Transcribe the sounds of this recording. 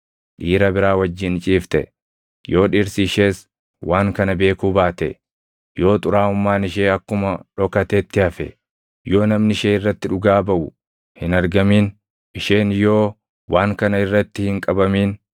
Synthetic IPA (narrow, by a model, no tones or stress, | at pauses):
ᶑiːɾɐbɪɾaːwɐd͡ʒːɪnt͡ʃʼiːft̪ɛ̰ | jo̞ːᶑiːɾsiːʃeːs | waːŋkɐnɐbe̞ːkuːbaːt̪ɛ̰ | jo̞ːt̪ʼʊɾaːʊmːaːnɪʃ̬eːɐkːʊmɐᶑɔkɐt̪eːt̪ːɪɐfɛ̰ | jo̞ːnɐmnɪʃeːɪrːɐt̪ːɪᶑʊɡaːbɐʔʊ | hɪnɐɾɡɐmiːn | ʔɪʃeːnjo̞ː | wʔaːŋkɐnɐɪrːɐt̪ːɪhɪŋkʼɐbɐmiːn